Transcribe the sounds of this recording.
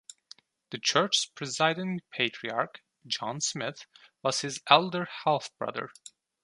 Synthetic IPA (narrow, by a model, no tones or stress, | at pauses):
ðɨt͡ʃʰɜ˞t͡ʃspʰɹ̥ɨzaɪɾɪ̃npʰeɪtʰɹ̥iɑɹk | d͡ʒɑ̃nsmɪθwʌz̥hɨzɛlˠdə˞hɛlˠθb̥ɹʌ̰ðə̰˞